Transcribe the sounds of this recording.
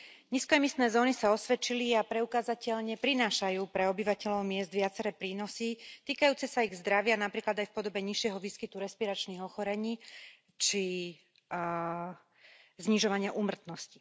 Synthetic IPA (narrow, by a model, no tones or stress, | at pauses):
ɲiːskɔɛmist̪nɛːzɔːnisaɔsʋɛt͡ʃiliapɾɛukaːzacɛʎɲɛpɾinaːʃajuːpɾɛɔbiʋacɛʎɔʊmɪɛzd̪ʋɪat͡sɛɾɛːpɾiːnɔsit̪iːkajuːt͡sɛsaiɣzd̪ɾaʋɪanapɾiːklad̪ajfpɔd̪ɔbɛɲiʃɪɛɦɔʋiːskit̪uɾɛspiɾat͡ʃniːɣɔxɔɾɛɲiː | t͡ʃi | zɲiʒɔʋaɲɪaʔuːmr̩t̪nɔsci̥